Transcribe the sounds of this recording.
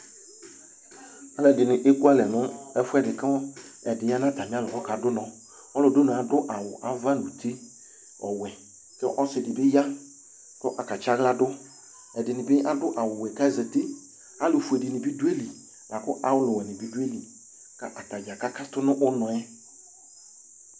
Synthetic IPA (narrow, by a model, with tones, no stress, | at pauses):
a˦lɛ˨dɪ˨nɪ˨ʔe˦ku˦a˦lɛ˨nʊ˦ɛ˦fʊ˦ɛ˦dɪ˨kɛ˦ɔ˦ | ɛ˨dɪ˨ja˦nã˦˨ta˨mɪ˦a˦lʊ˨kɔ˦ka˨dʊ˦nɔ̃˨ | ɔ˦lʊ˨do˦nʊ̃˨a˨dʊ˦ʔa˨wʊ̰˨ʔa˨va˦˨nu˨tʰe˦ | ɔ˨wɛ˨ | kɛ˦ʔɔ˦sɪ˨dɪ˨bɪ˦ja˦ | kɔ˦ʔa˨ka˨t͡ʃa˦ɣla˦dʊ˦ | ɛ˨dɪ˨nɪ˨bɪ˦ʔa˦dʊ˦ʔa˨wʊ˨wɛ˨ka˦zɛ˨te˦ | a˦lʊ˨fu˨ɛ˨dɪ˨nɪ̃˨bi˦du˦e˦li˨ | la˨kʊ˦ʔa˨wʊ˦lʊ˨wɛ˨nɪ˨bi˦du˦e˦li˨ | ka˦ʔa˨ta˨d͡ʒa˨ka˦ka˦tʊ˦nʊ̃˦ʔʊ˦nɔ˨ɛ˦